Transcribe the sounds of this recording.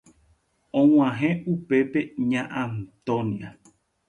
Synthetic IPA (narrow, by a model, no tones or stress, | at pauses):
õw̃ãɦẽupe̞peɲãʔãnt̪õnia